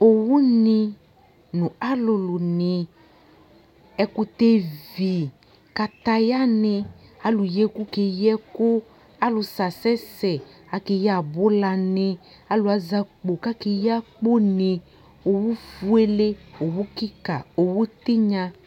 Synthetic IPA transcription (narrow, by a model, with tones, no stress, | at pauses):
o˨wu˦nɪ˧ | nʊ̃˨a˦lʊ˧lʊ˨nɪ˨ | ɛ˦kʊ˧t̪e˦vi˨ | ka˨t̪a˧ja˦nɪ˧a˦lʊ˨je˦ku˦ke˧jɛ˦kʊ˦ | a˦lʊ˧sa˨sɛ˦sɛ˨a˨ke˨ja˨bʊ˦la˨nɪ˧ | a˦lʊ˨˦a˦za˦k͡po˨ka˦ke˧ja˦k͡po˦nɪ˨ | o˨wu˦fu˦e˦le˦o˨wu˦ki˦ka˨o˨wu˦t̪ɪ˦ɲã˧